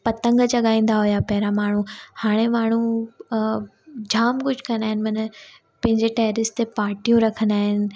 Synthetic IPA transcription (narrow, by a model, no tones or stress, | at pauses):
pɐt̪ə̃ŋɡt͡ɕɐɠaːĩːn̆d̪aɦʊjapɐɦɾamaːɳ̤uhaːɽ̃emaːɳ̤u | d͡ʑʱaːmkʊd͡ʑʱkɐ̃nd̪aːɦɪnɪ̆mɐnə̆ | pɐ̃ɦɪ̃ɲd͡ʑeʈɛːɾɪst̪epaːɾʈijõɾɐkʰə̃nd̪aːɦɪnɪ̆